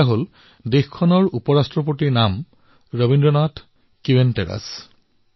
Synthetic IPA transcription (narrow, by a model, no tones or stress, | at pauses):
aɦol | dexkʰɔnɔɹupɔɹastɹɔp̬otiɹnam | ɹobindɹɔnatʰ | kiwentɛɹa̰s